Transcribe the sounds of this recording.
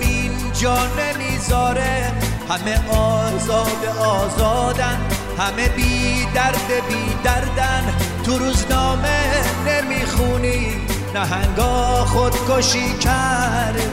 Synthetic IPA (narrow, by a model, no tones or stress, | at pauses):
miːn | d͡ʒɒːnemiːzɒːɾe | hæmeʔɒːzɒːbeɒːzɒːd̪æn | hæmebiːd̪æɾd̪ebiːd̪æɾd̪ænt̪ʰuɾuːznɒːmenemiːxuːni | næɦæŋɡɒːxod̪koʃiːkʰæɾd̪